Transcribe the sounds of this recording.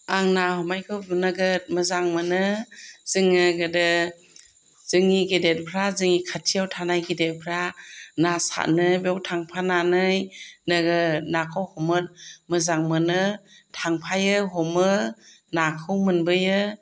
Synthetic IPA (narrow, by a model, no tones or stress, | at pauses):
aŋnahɔmajkʰɯwnɯɡɯt̚mɯzaŋmɯnɯz̥ɯŋɯɡɯdɯ | z̥ɯŋiɡedet̚pʰɾazɯŋikʰatʰijawtʰanajɡedet̚pʰɾanasa̰ʔnɯbɔwtʰaŋpʰananɯjnɯɡɯnakʰɯwhɔmɯt̚mɯzaŋmɯnɯ | tʰaŋpʰajɯɦɔmɯ | nakʰɯwmɯnbɯjɯ